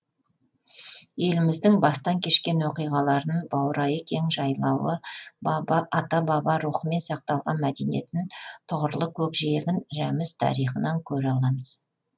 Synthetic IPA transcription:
je̞lɪmɪzd̪ɪŋbɑst̪ɑŋkʲʰe̞ʃkʲe̞nwo̞qijʁɑlˠɑɾənəɴbɑwɾɑjəkʲʰe̞ŋʒɑjlˠɑwəbɑbɑʔɑt̪ɑbɑbɑɾuχəme̞nsɑq̚t̪ɑlˠʁɑnmæd̪enije̞̰t̪ɪnt̪ʰʊʁəɾlˠəkʲʰɵkʒijeɡʲɪnɾæmɪz̥t̪ʰɑ̰ɾijχənɑŋkʲʰɵɾɑlˠɑməz̥

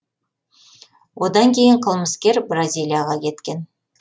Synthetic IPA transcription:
wo̞d̪ɑŋkʲʰe̞jɪɴqʰəlˠməskʲe̞ɾbrazʲijlʲˠijaʁɑkʲʰe̞t̪kʲe̞n

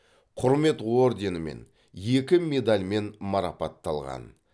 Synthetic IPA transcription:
qʰʊɾme̞t̪wo̞ɾd̪ʲe̞nɪme̞̰n | je̞kʲɪme̞d̪alʲme̞nmɑɾɑpɑt̪ːɑlˠʁɑ̰n

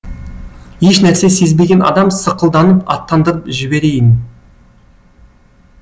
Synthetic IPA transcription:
je̞ʃnæɾse̞se̞zbe̞ɡʲenɑ̰d̪ɑmsəqəlˠd̪ɑnəpɑ̰t̪ːɑnd̪əɾəpʒɪbe̞ɾe̞jɪn

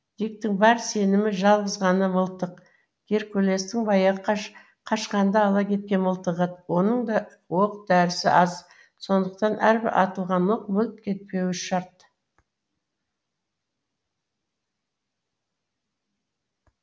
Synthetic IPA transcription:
d̪̥ik̚t̪ɪŋbɑɾse̞nɪmɪʒɑlˠʁəzʁɑnəməlˠt̪əq | ɡ̥ʲe̞ɾkʲʰɵle̞st̪ɪŋbɑjɑʁəq | qʰɑʃqɑnd̪ɑːlˠɑkʲʰe̞t̪̚kʲe̞nməlˠt̪əʁət̪wo̞nəɴd̪ɑ | wo̞qd̪æɾɪsɪ̰ʔɑz | so̞nd̪əqt̪ɑnʔæɾbɪ̰ɾʔɑ̰t̪əlˠʁɑnwoqmʏlt̪̚kʲʰe̞t̪̚pe̞wɪʃɑɾt̪

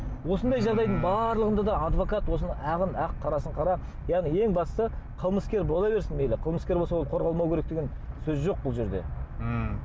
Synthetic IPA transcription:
wo̞sənd̪ɑjʒɑʁd̪ɑjd̪əɴbɑɾlˠəʁənd̪ɑd̪ɑɑd̪vo̞kɑt̪wo̞s̬ənɑæʁənæqʰːɑɾɑsəɴqʰɑɾɑ | jɑʁnije̞ŋbɑst̪əqʰəlˠməskʲe̞ɾbolˠɑbe̞ɾsɪnmelɪqʰəlˠməskʲe̞ɾbosɑwo̞lˠqʰo̞ɾʁɑlˠmɑwkʲe̞ɾekt̪eɡʲen | sɵzʒo̞q̚bʊlˠʒe̞ɾd̪e̞̰

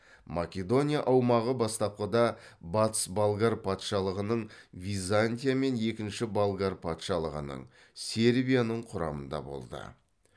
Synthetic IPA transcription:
makʲe̞d̪o̞nʲijaʔɑwmɑʁəbɑst̪ɑp̚qəd̪ɑbɑt̪ə̥sbalˠɡaɾpʰɑt̪ʃɑlˠəʁənəɴvʲijzanʲt̪ʲijame̞ne̞kʲɪnʃɪbalˠɡaɾpʰɑt̪ʃɑlˠəʁənə̰ɴ | se̞ɾbʲijanəɴqʰʊɾɑ̰mənd̪ɑ̰bo̞̰lˠd̪ə̰

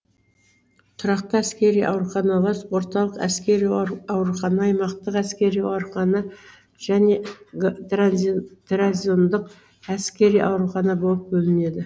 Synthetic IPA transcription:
t̪ʰʊɾɑqt̪əæskʲe̞ɾijʔɑ̰wɾuχɑnɑlˠɑswo̞ɾt̪ɑlˠəqæ̰skʲe̞ɾijɑwɾuχɑnɑːjmɑqt̪əqæskʲe̞ɾijɑɾqɑnə | ʒ̥æne̞ | t̪raziond̪əq | æskʲe̞ɾijʔɑwɾuχɑnɑbo̞lˠəp̚bɵlɪne̞d̪ɪ

